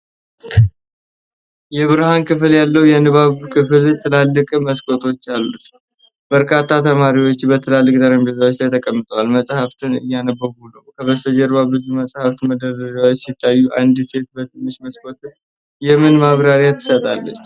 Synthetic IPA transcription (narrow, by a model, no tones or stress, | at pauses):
jɛβɨɾhankɨfɨljalːəwjɛnɨβaβkʰɨfɨlt̪ʰɨlalːɨkʼməskʼo̞t̪ʰo̞t͡ʃːalːut̪ | b̥əɾkʰat̪ʰːat̪ʰəmaɾiwo̞t͡ʃːbət̪ʰɨlalːɨkʼt̪ʼəɾəmd̪əzawot͡ʃːlajt̪ʰəkʼəmːɨt̪ʼəwalməsʼhaft̪ʰɨnɨ̰jːanəbːəɡunəwkʰəβəst̪əd͡ʒɛɾbabɨzuməsʼhaft̪məd̪əɾəd͡ʒawot͡ʃːsɪt̪ʰːajːuʔand̪ɨt̪ʰe̞t̪̚bət̪ɨnːɨʃməskʼo̞t̪ɨn | jɛmɨnmaβɾaɾjat̪ʰːɨ̥sət̪ʼalːət͡ʃː